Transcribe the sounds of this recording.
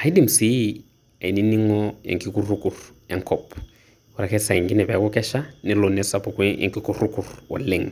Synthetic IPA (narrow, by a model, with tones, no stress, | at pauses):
ha˨i˦di˦m̩˨si˦ | a˨i˨ni˦ni˦ŋɔ˦jḛ˨ŋki˦ku˦ru˦ku˨r | ɛ˦ŋ̩˦kʰɔpɔ | ʊ˨ra˨kɛ˦sa˨ɛ˨ŋɡɪ˦nɛ˨bɛ˨akʊ˦kɛ˦ʃa˦nɪ˨lɔ˨nɛsa˨pɔkuɛ̰ŋki˦kuru˦ku˨rwɔ̰˨le˨ŋ